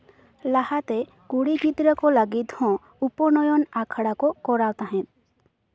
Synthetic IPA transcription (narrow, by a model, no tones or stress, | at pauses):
lahat̪e | kuɽiɡʱid̪ɾəkɔləɡit̪hɔ̃ | upɔnɔjɔnakʰəɽakokɔɾawt̪aɦɛ̃t̪̚